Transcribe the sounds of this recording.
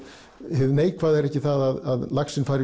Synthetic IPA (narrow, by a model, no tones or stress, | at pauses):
hɪðneːjkvaðɛɾɛhcːɪθaðaðaðlaxsɪnfajɾɪ